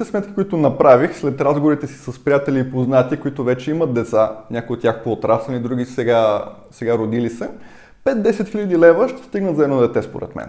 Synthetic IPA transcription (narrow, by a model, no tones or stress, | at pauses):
t̪ɛsmɛt̪̚kʲikʊit̪ʊnɐpɾavixslɛt̪ɾazɡovoɾit̪ɛsi̥sɐspɾijat̪ɛlʲiːpoznat̪iəkʊit̪ʊvɛt͡ʃɛimət̪̚d̪ɛt̪sanʲʔakoiot̪ːjako̥koot̪ɾasɛlnid̪ɾuɡʲisɛɡa | sɛɡaɾod̪ilisɛ | pɛt̪̚d̪ɛsɛt̪xilʲəd̪ilɛvəʃt̪ɛ̥st̪iɡnət̪zɐɛd̪nod̪ɛt̪ɛspo̰ɾɛ̰t̪mɛ̰n